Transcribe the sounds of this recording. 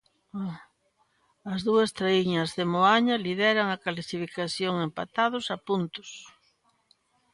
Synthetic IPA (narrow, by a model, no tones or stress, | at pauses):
ɐzðuɐst̪ɾaiɲɐzðemoaɲɐliðɛɾɐŋɐkalsifikaθjoŋempat̪að̞ʊsapunt̪ʊ̥s